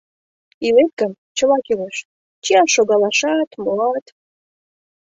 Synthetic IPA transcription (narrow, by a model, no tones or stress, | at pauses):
ilet̪̚kəmt͡ɕə̆lɑkileʃ | t͡ɕiɑʃoɣɑlɑʃɑt̪moɑt̪